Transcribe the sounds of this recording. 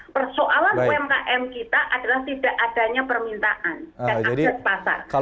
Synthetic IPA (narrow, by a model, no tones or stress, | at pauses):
pərsoʔalanɛmkaʔɛmkit̪aʔadalaht̪idaʔad̥aɲapərmint̪aʔanand͡ʒaadiat̪̚pasa̰rka